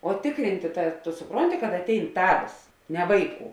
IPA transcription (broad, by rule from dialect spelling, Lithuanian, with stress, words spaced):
oː tʲɪkˈrʲɪnʲtʲeː tɐ tʊ sʊˈproːnʲtʲɪ kɐt ɐˈtʲɛɪn ˈtɑːʋʲeːs nʲɛ ˈʋɐɪˌkuː